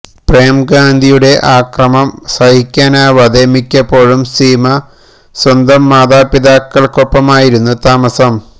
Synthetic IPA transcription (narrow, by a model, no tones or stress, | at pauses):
prejmɡaːnd̪ʱijuɽe̞ʔaːkrɐmɐmsɐɦikʲːaːnaːʋɐd̪emikʲːɐpːo̞ːɻumsiːmɐ | swɐnd̪ɐmːaːd̪aːpːiðaːkːɐɭko̞pːɐmaːjiɾunːut̪aːmɐsɐm